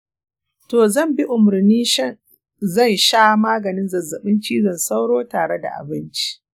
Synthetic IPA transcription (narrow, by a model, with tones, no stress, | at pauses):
toː˨zɐ˦˨mbi˦ʔʊ˨mʊ˨ɾniː˦ʃ | zɐ˦˨nʃaː˦maː˦ɡɐ˨nɪ˦nzɐ˨zːɐ˨ɓɪ˦nt͡ʃiː˦zɐ˨nsa˦wɽoː˦taː˨ɽe˦da̰˨ʔa̰˨bɪ˦nt͡ʃi̥˦